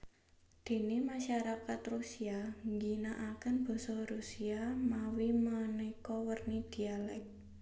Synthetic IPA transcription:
d̪̥e̤nemaʃaɾakat̪rusiaŋɡinaʔakanb̥ɔ̤sɔɾusiamawimanuikɔwərnid̪̥i̤alɛk̚

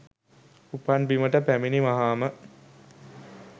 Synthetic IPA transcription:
upanbiməʈəpæminimaɦaːmə

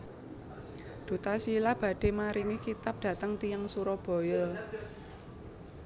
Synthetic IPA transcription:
d̪̥ṳt̪asilahb̥ä̤ɖ̥e̤maɾiŋikit̪ap̚d̥ä̤t̪əŋt̪ijaŋsuɾɔb̥ɔ̤jɔ

